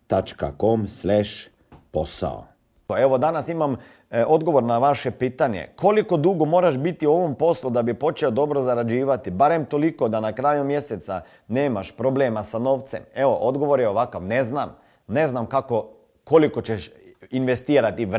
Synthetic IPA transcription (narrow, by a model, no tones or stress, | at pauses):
t̪at͡ʃkakomslɛʃ | posa̰o̰ | eʋo̞d̪anasimam | o̞d̪ɡo̞ʋo̞ɾnaʋaʃe̞piːt̪aɲḛko̞liko̞d̪uːɡomo̞ːɾaʃbit̪iuo̞ʋo̞mpo̞slˠud̪abipo̞t͡ʃeod̪o̞bɾozaɾad͡ʒiːʋat̪ibaɾe̞mt̪o̞liko̞d̪anakɾajumje̞set̪sa | neːmaʃpɾo̞ble̞ːmasano̞ːʋt̪se̞̰meʋo̞̰ʔod̪ɡo̞ʋo̞ɾjeo̞ʋakaʋne̞znam | ne̞znamkako̞ | ko̞liko̞t͡ʃeʃinʋe̞st̪iːɾat̪iʋ